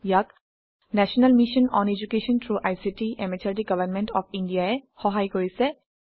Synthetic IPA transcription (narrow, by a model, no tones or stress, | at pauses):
jak | nɛsɔnalmiʃɔnɔned͡ʒukeʃɔntʰɹuʔajsitiʔɛmɛtʰatiɡʌbanmɛntɔpʰindijaɛxɔɦajkoɹisɛ